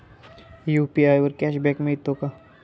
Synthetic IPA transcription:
juːpiaːjəɾkɛːʃbɛkmẽit̪ːoka

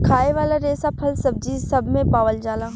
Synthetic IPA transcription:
kʰaːeʋaːlaɾeːsapʰəlsəb̚d͡ʒiːsəbmẽpaːʋəld͡ʒaːlaː

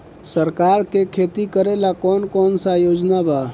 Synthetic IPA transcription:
səɾkaɾkekʰet̪ikəɾelakɔnkɔnsajod͡ʒnaba

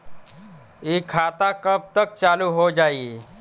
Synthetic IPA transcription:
ikʰːat̪akəp̚t̪ək̚t͡ʃaluɦod͡ʒaiː

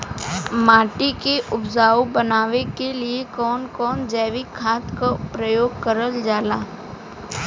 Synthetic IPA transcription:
maːʈikeʔʊbzaːobɐnaːʋekeliekɔːnkɔːnd͡ʒɛːʋɪkʰːaːt̪kapɾəjoːɡ̚kəɾəld͡ʒaːlaː

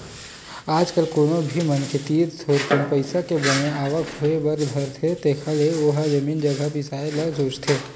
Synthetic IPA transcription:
aːd͡ʒkəlkoːnobʱimənkʰet̪iːd̪t̪ʰoːɾpənpəɪsakebəneaːʋəkʰoebəɾb̪ʱəɾt̪ʰet̪ekʰaleoːɦad͡ʒəmiːnd͡ʒəɡʱabɪsaːelasoːd͡ʒt̪ʰeː

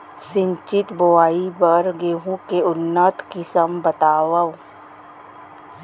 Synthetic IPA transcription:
sɪ̃ɲt͡ʃɪt̪boaːibəɾɡeːɦũkeʊnːət̪kɪsəmbɐt̪aːwəʋ

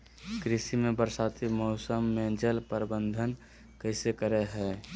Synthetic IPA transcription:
kɾɪsimebəɾsat̪ʰimɔʊsəmːed͡ʒəlpəɾbənd̪ʱən | kəɪsekəɾeɦɛ

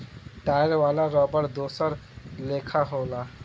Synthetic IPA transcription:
ʈaɪɾʋaːlaɾɔːbəɾd̪oːsəɾlekʰaɦola

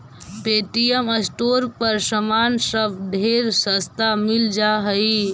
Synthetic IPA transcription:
peːʈijəməsʈoːɾpəɾsəmaːnsəbɖʱeɾsəst̪amɪld͡ʒaɦəi

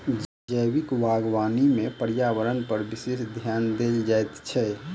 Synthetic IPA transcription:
d͡ʒəjwikʋaɡʋanimẽpəɾjawəɾənpəɾbisesd̪ʱjaːnd̪eld͡ʒajt̪t͡ʃʰɛ

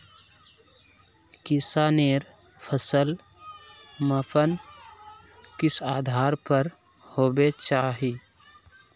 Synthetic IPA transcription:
kɪsaneːɾ | pʰəsəl | məpʰən | kɪsaːd̪ʱaːɾpəɾ | hoːbet͡ʃaːɦi

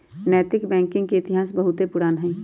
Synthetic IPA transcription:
nɛːt̪ɪkbɛ̃ːŋkɪ̃ŋɡkeɪt̪ɪɦaːsbɐɦʊt̪epʊɾaːnɦɛ̃ː

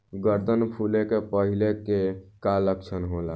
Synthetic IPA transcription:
ɡəɾd̪ənpʰulekepəɦilekekaləkt͡ʃʰənɦola

